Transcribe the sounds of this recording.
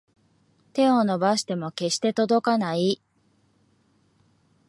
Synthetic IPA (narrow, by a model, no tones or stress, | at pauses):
t̪e̞o̞no̞baɕi̥t̪e̞mo̞ke̞ɕi̥t̪e̞t̪o̞d̪o̞kanai